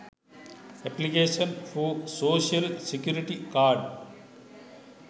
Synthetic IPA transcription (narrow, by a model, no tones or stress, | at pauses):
ɛplikeːʃɐnfusoːʃiɐlsekjuːɾiʈikaːɾɖ